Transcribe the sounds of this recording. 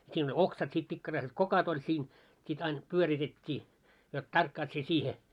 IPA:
siːn olʲ oksɑt sit pikːɑrɑiset kokot olʲ sin sit ɑin pyøritetʲːiː jot tɑrkːɑːt sie siːhe

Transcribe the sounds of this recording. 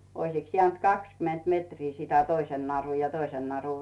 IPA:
oisiks jĕæˑnt kɑkskyment metriː sitæ toisen nɑru jɑ toisen nɑru

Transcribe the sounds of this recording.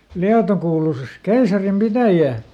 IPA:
liɑto kuːlusis keisɑrim pitæjæː

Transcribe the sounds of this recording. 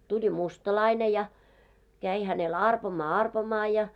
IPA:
tulʲi mustɑlɑine jɑ kæi hænel ɑrpomɑː ɑrpomɑː jɑ

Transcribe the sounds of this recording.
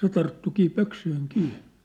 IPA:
se tɑrtːukiː pøksyihiŋ kiː

